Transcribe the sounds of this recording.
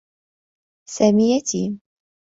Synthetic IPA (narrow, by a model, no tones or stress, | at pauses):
samijat̪i